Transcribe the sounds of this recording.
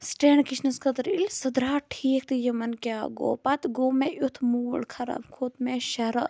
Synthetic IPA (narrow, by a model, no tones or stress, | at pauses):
sʈeːɳɖkit͡ʃʰnɐskʰɐt̪ɐɾilʲsɐd̪ɾaːʈʰiːkt̪ɨjɐmɐnkʲaːɡo̰ːpɐt̪ɡoːmeʔut̪ʰmuːlkʰɐɾɐ̰bkʰot̪meʃɐɾɐ